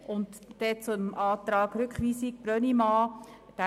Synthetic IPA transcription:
ʊntːɛt͡sʊmʔɑːt̪ɾɑːɡɾʏkχʋiːsɪk̚b̥ɾœnimɑː | d̥æ

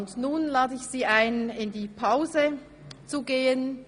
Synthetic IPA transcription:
ndnuːnlaːdəɪçz̥iːaɪnɪndiːpʰaʊzə | t͡suɡeːən

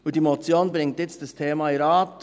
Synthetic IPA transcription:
ud̥iːmot͡sjoːnbɾɪŋtjɪt͡st̚d̥astʰeːmɑiɾɑːt

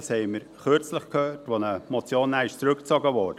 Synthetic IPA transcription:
shɛɪməɾχøɾt͡sləχkhøːtʋonəmot͡sjoːnːæːɪʃt͡sɾʏkt͡sɔɡəʋɔːɾdə

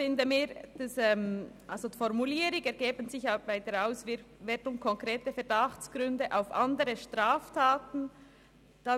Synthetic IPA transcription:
fɪndəmiːɾd̥asɛmʔalzofɔɾmuliːɾɪɡɛɾɡ̥eːbənzɪçjaːvaɪdeɾaʊsvɪvɛːtʊŋkʰɔŋkʁeːtəfɛɐd̥ɑxt͡sɡ̥ɾʏndəʔaʊfʔɑ̰ndəɾəʃtʁaːftʰaːtn̩ | d̥ɑ

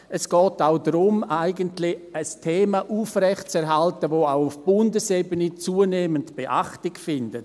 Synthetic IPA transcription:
ɛsɡ̥ɔːtaʊdɾʊmaɪɡəntlɪəstʰeːmaʔuːfrɛçtt͡sɛɾɦaltəvoːaʊʊfb̥ʊndəsebənət͡suːəneːməntb̥eʔa̰χtɪɡfɪndət

